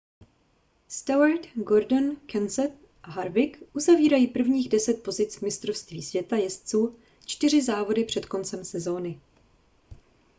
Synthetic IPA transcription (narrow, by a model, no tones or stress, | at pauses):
st̪aaɾt̪ɡo̞ɾdonkʰɛnsɛt̪̚ | ʔaɦaɾvɪkʔuzaviːɾajiːpr̩vɲiːɣdɛsɛt̪̚po̞zɪt͡svmɪst̪ɾofst̪viːsvjɛt̪ajɛst͡suː | t͡ʃt̪ɪr̝ɪzaːvo̞dɪpr̝̥ɛt̪ko̞nt͡sɛmsɛzo̞ːnɪ